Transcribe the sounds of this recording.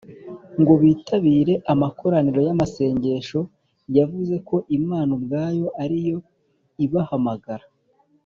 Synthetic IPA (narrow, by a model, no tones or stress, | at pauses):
ŋɡo̞βiːtʰaβiːɾe̞ʔamakʰo̞ɾaniɾo̞jamase̞ːɲɟe̞ʃo̞ | javuze̞ko̞ʔimaːnobɡaːjo̞ʔaɾijo̞ | iβahamaɡaɾa